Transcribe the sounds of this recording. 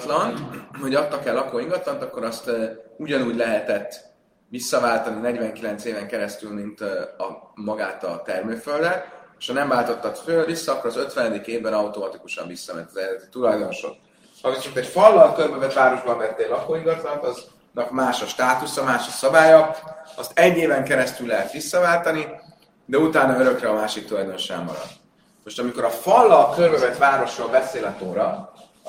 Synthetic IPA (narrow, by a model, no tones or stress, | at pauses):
t̪lɒnt̪ho̞ɟɒt̪ːɒkɛlːɒkoːiŋɡɒt̪lɒnt̪ɒkːo̞ɾɒst̪uɟɒnuːɟlɛɦɛt̪ɛt̪ː | visːɒvaːlt̪ɒninɛɟvɛŋkilɛnt̪seːvɛŋkɛɾɛst̪ylmint̪ɒmɒɡaːt̪ɒ̰t̪ɛrmøːføld̪ɛeʃhɒnɛmvaːlt̪o̞t̪ːɒt̪føːvisːɒɒkːoɾɒzø̞t̪ʋɛnɛd̪ikeːvbɛnɒwt̪o̞mɒt̪ikuʃɒ̰ɱvisːɒmɛ̰nt̪ːɒzɛd̪ɛt̪i̥t̪ulɒjd̪o̞no̞ʃo̰k̪ | hɒvisot̪ɛcfɒlːɒlkørbøvɛt̪vaːɾo̞ʒbɒmvɛt̪ːeːlɒkoːiɡɒzlɒt̪ɒz | nɒkmaːʃɒʃt̪aːt̪usɒmaːʃɒsɒbaːjɒɒst̪ɛɟːeːvɛŋkɛɾɛst̪ylːɛɦɛt̪ʋisːɒvaːlt̪ɒni | d̪ɛut̪aːnɒø̞ɾø̞krɛɒmaːʃikt̪ulɒjd̪o̞no̞ʃɛ̰mmːɒ̰ɾɒ̰d̪ | mo̞ʃt̪ɒmiko̞ɾɒfɒlːɒkølbøvɛt̪vaːɾo̞ʃroːlbɛseːlɛt̪oːɾɒ